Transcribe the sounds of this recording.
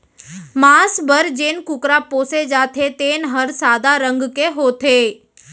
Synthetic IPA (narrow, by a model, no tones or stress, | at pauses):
maːsbəɾd͡ʒeːnkʊkɾapoːsed͡ʒaːt̪ʰet̪eːnɦəɾsaːd̪aɾə̃ŋɡkeɦoːt̪ʰeː